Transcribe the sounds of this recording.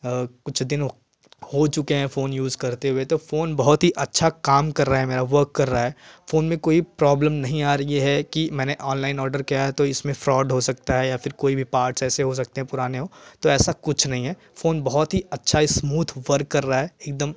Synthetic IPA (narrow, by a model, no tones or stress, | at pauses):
kʊt͡ʃʰd̪ɪn | hot͡ʃʊkeɦɛ̃foːnjuːzkɐɾt̪eɦʊet̪ofoːnbɐɦɔt̪ɦiʔɐtːʃʰakaːmkɐɾːaaɦɛmeːɾaʋɐɾkːɐɾːaɦɛːfoːnmẽkoːipɾɔːbləmnɐɦĩaːɾɐiɦɛkimɛ̃ːneʔɔːnlaːɪnɔːɾɖəɾkijaɦɛt̪oɪsmẽfɾɔːɖɦosɐk̚t̪aɦɛjafɪɾkoːibʱipaːɾʈsɛːseɦos̬ɐk̚t̪ẽɦɛ̃pʊɾaːneɦot̪oɛːsakʊt͡ʃʰnɐɦĩɦɛː | foːnbɐɦɔt̪ɦiɐtːʃʰaɪsmuːt̪ʰʋɐɾkːɐɾːaaɦɛːeːk̚d̪əm